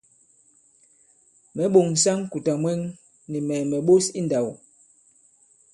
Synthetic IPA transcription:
mɛ˨˦ɓo˨ŋn̩˨sa˦ŋ˦ku˨ta˨mwɛ˦ŋ | ni˨mɛ˨mɛ˨ɓo˦si˦nda˨w

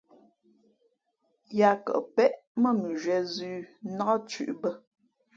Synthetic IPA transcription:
ja˨˦kə̰˨pɛ˦ʔmə˦˨nu˨ʒwɛ˨zʉː˦na˦ə˦t͡ʃʉ̰˨ʔbə˦

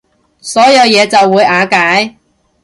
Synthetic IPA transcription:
sɔː˨˥jɐ˨˧wjɛː˨˧t͡sɐ˨wːuː˨˧jaː˨˧˥kaː˨˥j

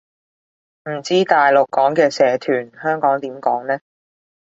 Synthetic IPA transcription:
m̩˨˩t͡siː˥t̪aː˨jlʊ˨kːɔː˨˥ŋkɛː˧sɛː˨˥t̪ʰyː˨˩nhœː˥ŋkɔː˨˥ŋt̪iː˨˥mkɔː˨˥ŋnɛː˥

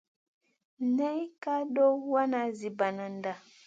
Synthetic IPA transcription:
nɛ˦ka˦dɔ˦wa˦na˨zi˨ba˨na˨nda˨

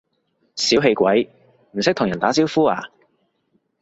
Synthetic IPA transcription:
siː˨˥wɦe˧jkʷɐ˨˥j | m̩˨˩sɪ˥k̚tʰʊ˨˩ŋjɐ˨˩nt̪aː˨˥t͡siː˥wfuː˥aː˨˩

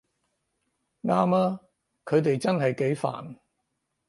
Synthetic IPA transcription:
ŋaː˥maː˥ | kʰɵ˨˧ɥt̪e˨jt͡sɐ˥nhɐ˨jke˨˥jfa̰ː˨˩n

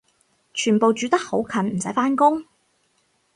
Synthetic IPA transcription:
t͡ʃʰyː˨˩npo˨wt͡ʃyː˨˧t̪ɐ˥k̚ho˨˥wkʰɐ˨˩nm̩˨˩sɐ˨˥faː˥nkʊ˥ŋ

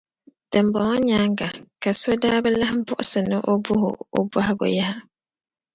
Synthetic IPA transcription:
d̥ɨ˨mbɔ˨ŋɔ˦ɲaː˦ŋɡa˨ka˨so˦daː˦bɛ˦la˦hɪ˦bʊ˦ʔʊ˦sɨ˨nɨ˦ʔo˦bʊ˦hʊ̰˨o̰˦ba˦hɪ˦ɡʊ̰˨ja˦ha˦

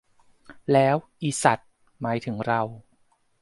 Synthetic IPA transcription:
lɛː˦˥wʔiː˧˩sa˨˩t̪̚ | maː˩˦jt̪ʰɯ˩˦ŋɾa˧w

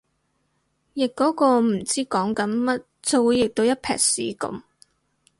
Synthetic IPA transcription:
jɪ˨kːɔː˨˥kɔː˧m̩˨˩t͡siː˥kɔː˨˥ŋkɐ˨˥nmɐ˥t̚t͡so˧wu˨˧jɪ˨k̚t̪o˧wjɐ˥t̚pʰɛ̰ː˨k̚sḭː˨˥kɐ̰˨˥m

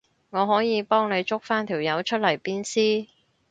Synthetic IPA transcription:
ŋɔː˨˧ɦɔː˨˥jiː˨˧pɔː˥ŋne˨˧jt͡ʃʊ˥k̚faː˥nt̪ʰiː˨˩wjɐ˨˧wt͡ʃʰɵ˥t̚lɐ˨˩jpiː˥nsiː˥

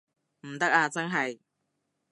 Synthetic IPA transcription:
m̩˨˩t̪ɐ˥k̚aː˧t͡sɐ˥nɦɐ˨j

